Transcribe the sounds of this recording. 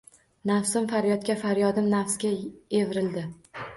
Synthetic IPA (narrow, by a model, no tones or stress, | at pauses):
nafsɪmfaɾjɒt̪̚kʲafaɾjɒd̪ɪmnafsɡʲae̞vɾɪld̪ɪ